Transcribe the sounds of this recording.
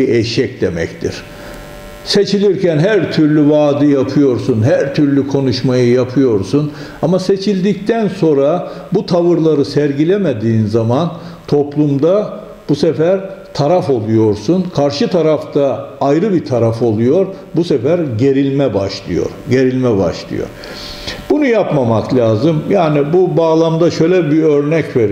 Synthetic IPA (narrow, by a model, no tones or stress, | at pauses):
iɛjʃɛcd̪e̞mɛ̰ct̪ʰḭɾ̥ | se̞t͡ʃʰilʲiɾcænɦæɾt̪ʰyɾlʲyvaːd̪ɯjapʰɯjo̞ɾsunɦæɾt̪ʰyɾlʲykʰo̞nuʃmajɯjapʰɯjo̞ɾsun | amase̞t͡ʃʰilʲd̪ic̚t̪ʰænsõ̞ɾa | but̪ʰavɯɾlˠaɾɯsɛɾɟilʲemed̪iːnzamant̪ʰo̞plˠumd̪a | b̥usefæɾt̪ʰaɾafo̞lˠujo̞ɾsunkʰaɾʃɯt̪ʰaɾaft̪ʰaːjɾɯbit̪ʰaɾafo̞lˠujo̞ɾ | busefæɾɟe̞ɾilʲmɛbaʃlˠɯjo̞̰ɾɟe̞ɾilʲmɛba̰ʃlˠɯ̰jo̰ɾ | bunujapmamaklʲaːzɯmjaːnibubaːlˠamd̪aʃø̞jlʲɛbiøɾnɛcveɾ